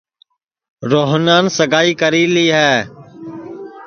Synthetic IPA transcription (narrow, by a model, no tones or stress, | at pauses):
ɾoːɦnaːnsəɡaːiːkəɾiːliːɦɛː